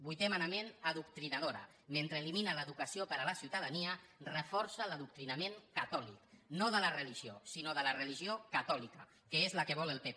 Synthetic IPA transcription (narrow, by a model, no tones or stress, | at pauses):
bujt̪emanamenaðukt̪ɾinaðoɾə̰ | ment̪ɾəːliminaləðukasiopəɾalasiwt̪aðaniərəfɔɾsaləðuk̚t̪ɾinameŋkat̪ɔlḭknoðəlarəliʒio̰sinoðəlarəliʒiokat̪ɔlikə | kəezlakəβɔlelˠpe